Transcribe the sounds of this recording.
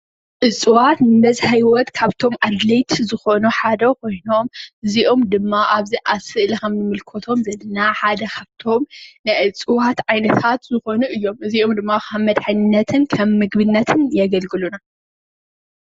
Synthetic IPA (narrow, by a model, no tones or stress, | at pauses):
ʔɨt͡sʼɨwat̪nɨmɐzhajwɔt̪kʰaβt̪ʰo̞mʔad̪lɐjt̪ʰzɨxo̞nuħad̪ɐkʰo̞jno̞mʔɨziʔomd̪ɨmːaʔaβziʔasɨʔlixɐmjɨmɨlkʰot̪ʰo̞mzɐlːɐnaħad̪ɐkʰaβt̪ʰo̞mnɨʔɨt͡sʼɨwat̪ʕajnɐt̪ʰat̪zɨxo̞nuʔɨjːo̞mʔɨziomd̪ɨmːakʰɐmːɐd̪ħɨnnːɐt̪ʰɨnkʰɐmːɨɡbɨnːɐt̪ʰɨnjɛɡɐlɡɨluna